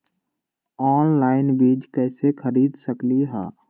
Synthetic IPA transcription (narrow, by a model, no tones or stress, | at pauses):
ɔːnlaːɪnbiːd͡ʒkɛːsekʰəɾiːd̪səkliɦa̰ː